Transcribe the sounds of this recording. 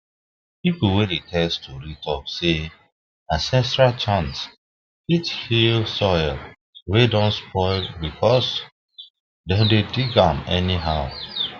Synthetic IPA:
pipl̩wedetʰɛstʰuɹitʰɔpse | asɛ̃nsɹat͡ʃãns | ithilsɔjl | wedɔ̃nspʰɔɪlbikʰɔs | dedediɡãmɛniɦaʊ

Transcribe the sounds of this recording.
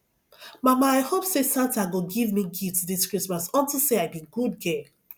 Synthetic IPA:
mamaaɪhopsesãtaɡoɡivmiɡitudiskɹismasɔ̃ntilseaɪbĩɡudɡɛ

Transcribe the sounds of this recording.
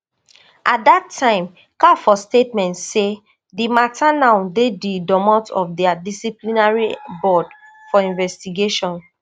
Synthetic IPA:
ʔat̚datʰːãɪ̃m | kafɔstetmɛ̃ntse | dimatanãʊndedidɔmɔ̃tɔ̰fdɛadisiplinaɹibɔd | fɔĩnvɛstiɡeʃɔ̃n

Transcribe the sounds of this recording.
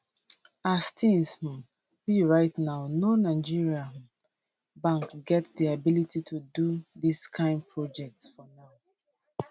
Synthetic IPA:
astʰĩnsm̃m | wiɹaɪtnaʊnonaɪd͡ʒiɹia | bãŋkɡɛtdiabilititʰuduðiskʰãɪ̃nd̚pʰɹɔd͡ʒɛk̚tsfɔnaʊ

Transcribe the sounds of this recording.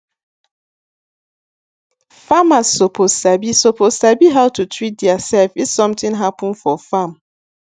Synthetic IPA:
famasoposabisoposabiɦaʊtutʰɹit̚djasɛlfizsɔ̃mtɪ̃ŋɦapʊ̃nfɔfam

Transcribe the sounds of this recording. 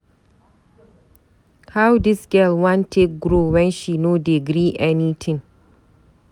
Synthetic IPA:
hawdɪsɡɛlwãntʰek̚ɡɾowɛnʃinodɪɡɾiːʔɛnit̪ʰɪ̃ŋ

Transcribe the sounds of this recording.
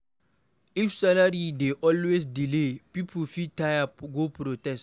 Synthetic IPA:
ifsalaɾideʔɔlwesdilepipʰufitʰajaɡopɾotɛst

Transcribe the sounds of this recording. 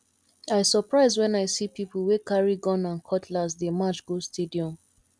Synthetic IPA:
aɪsəpɹaɪzwɛ̃naɪsipipl̩ˠwekaɹiɡɔ̃nãnkʰɔtʰlas̬demat͡ʃɡ̥ostʰediɔ̃m

